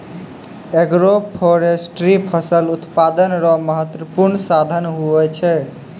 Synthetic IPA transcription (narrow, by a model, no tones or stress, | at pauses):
eɡɾopʰoɾesʈɾipʰəsəlut̪pad̪ənɾɔməɦət̪wəpuɾɳsad̪ʱənɦuɛt͡ʃʰɛ